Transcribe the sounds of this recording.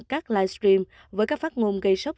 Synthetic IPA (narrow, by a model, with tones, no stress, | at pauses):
kaː˦˥k̚laː˧˩jstɾi˧m | vəː˨˦jkaː˦˥k̚faː˦˥t̚ŋo˧nɣə˧jsə˦˥k͡p̚